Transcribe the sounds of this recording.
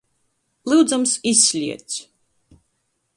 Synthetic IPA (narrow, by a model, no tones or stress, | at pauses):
lˠɨwd̪zamsisʲːlʲiɛt̪s